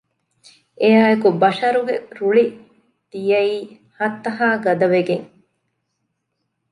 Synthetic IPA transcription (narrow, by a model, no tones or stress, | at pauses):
ʔejaːekubɐʃɐɾuɡeɾuɭi | d̪̥ijɐiː | hɐt̪ːɐɦaːɡɐd̪ɐʋeɡeŋ